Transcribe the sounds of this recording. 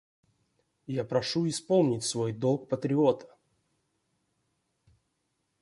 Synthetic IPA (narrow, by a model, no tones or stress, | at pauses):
japɾɐʂuɪspo̞lˠnʲɪtʲsvo̞jd̪olˠk̚pət̪ɾʲɪo̞t̪ʰə̥